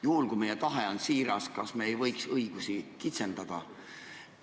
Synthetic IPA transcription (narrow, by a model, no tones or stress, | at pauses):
juhulkujme̞jet̪ɑɦeo̞nsiːɾɑskɑsmeejvɤjksɤjɡ̥usikit̪se̞nd̪̥ɑd̪̥ɑ